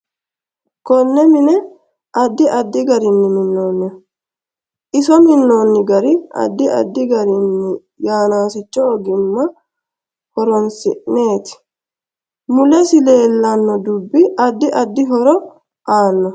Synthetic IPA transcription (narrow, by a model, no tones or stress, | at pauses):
kɔnːɛmɪnɛ | ʔɐd̪ːɪʔɐd̪ːɪɡɐɾɪnːɪmɪnːoːnːɛ | ʔɪsɔmɪnːo̞ːnːɪɡɐɾɪʔɐ̰d̪ːɪɐ̰d̪ːɪɡɐɾɪnːɪ | jaːnaːsɪt͡ʃːɔːɡɪmːɐ | hɔɾɔnsɪ̰ʔne̞ːt̪ɪ̥ | mʊlɛsɪle̞ːlːɐnːɔd̪ubːɪʔɐd̪ːɪʔɐd̪ːɪɦɔɾɔ | ʔaːnːɔ